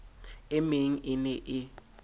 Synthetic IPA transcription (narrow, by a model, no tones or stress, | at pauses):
ɪmeŋ̩ʔɪnɛʔɪ